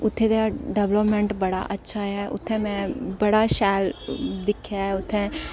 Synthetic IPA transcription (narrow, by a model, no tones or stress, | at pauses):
ʊt̪ʰːẽd̪aɖɛbləpmẽɳʈbɐɽa̰ʔɐtːʃʰaɦɛʔʊ̰t̪ʰːɛ̃mɛ̃bɐɽaʃɛːld̪ɪkʰjaʊt̪ʰːɛ̃